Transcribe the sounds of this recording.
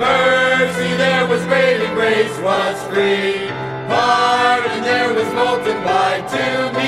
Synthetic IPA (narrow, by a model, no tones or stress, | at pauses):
mɜ˞siðə˞wʌzbeɪliɡɹeɪswʌskɹi | pʰɑɾɨ̃nðə˞wʌzboʊlˠtɨ̃d̚baɪtʰʉb